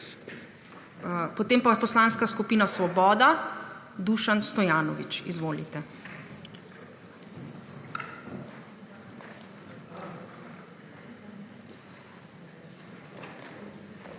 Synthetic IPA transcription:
pɔt̪eːmpapɔslanskaskupiːnasʋɔbɔːd̪a | d̪uʃanst̪ɔjaːnɔʋit͡ʃizʋoːlḭt̪ɛ

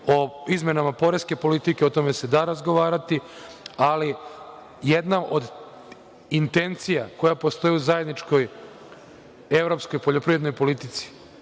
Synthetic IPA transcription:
o̞izme̞namapo̞ɾeske̞po̞lit̪ike̞ot̪o̞me̞se̞d̪aːɾazɡo̞ʋaːɾat̪iali | jed̪naʔod̪ | int̪e̞nt̪sijako̞japo̞st̪o̞jiuzaje̞d̪nit͡ʃko̞j | evɾo̞psko̞jpo̞ʎo̞pɾiʋɾed̪nojpo̞lit̪it̪si̥

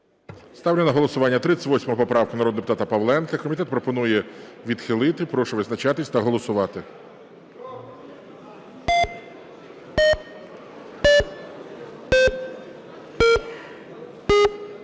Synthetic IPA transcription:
st̪ɑwlʲɐnɐɦɔlˠɔsʊʋɑnʲːɐt̪ɾɪt͡s̪ʲɪ̥ʋɔsʲmɔɦɔpɔpɾɑʋwkʊnɐɾɔd̪d̪epʊt̪ɑt̪ɐpɐʋlˠɛnkɐkɔmʲit̪ɛt̪pɾɔpɔnujɛʋʲid̪xɪlˠɪt̪ɪpɾɔʃʊʋɪznɐt͡ʃɑt̪ɪsʲt̪ɐɦɔlˠɔsʊʋɑt̪ɪ

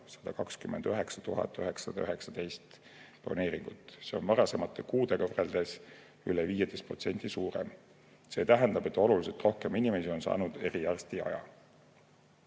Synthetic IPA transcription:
sɑ̥d̪̥ɑkɑkskymend̪øɦe̞ksɑt̪uɦɑ̰t̪ːˑøɦeksɑd̪ɑøɦe̞ksɑd̪̥e̞jst̪ | plo̰ne̞ːɾiŋɡ̥ut̪ːˑse̞o̞̰nmɑɾɑse̞mɑt̪ʰːˑe̞kuːd̪̥e̞kɑreld̪̥e̞s | yleviːjed̪̥e̞st̪pro̞t̪se̞nʲt̪isuːɾḛm | se̞ːt̪æɦend̪ɑb̥e̞t̪ːˑo̞lulise̞t̪ˑro̞hke̞minime̞sio̞nsɑ̰ːnud̪̥e̞ɾijærst̪iɑ̰jɑ̰

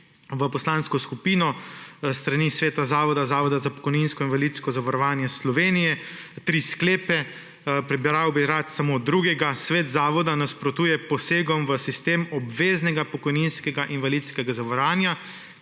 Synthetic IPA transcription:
ʋəpɔslanskɔskupiːnɔst̪ɾanisʋeːt̪azaːʋɔd̪azaːʋɔd̪azapɔ̥kɔjninskɔinʋalit̪skɔzaʋaɾɔʋaːnjɛslɔʋeːnijɛt̪ɾiːskleːpɛ | pɾɛbiɾawbiɾat̪samod̪ɾuːɡɛɡasʋeːt̪zaːʋɔd̪anaspɾɔt̪uːjɛpɔseːɡɔmʋəsist̪eːmɔbʋeːznɛɡapɔkɔjninskɛɡaʔinʋalit̪skɛɡazaʋaɾaːnja

